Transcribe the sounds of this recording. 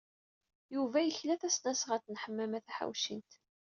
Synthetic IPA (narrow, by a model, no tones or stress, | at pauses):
juvæjəçlæθæsnæsʁəɾt͡snħəmːæmæθæħa̰wʃḭnt̪